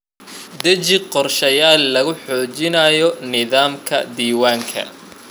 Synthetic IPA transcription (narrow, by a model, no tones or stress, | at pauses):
d̪ɐt͡ʃɪqɔrʃɐjaːlːɐɣʊħɔːt͡ʃɪnɐjɔnɪðaːmkʰɐ̰d̪iːwaːŋkʰɐ̰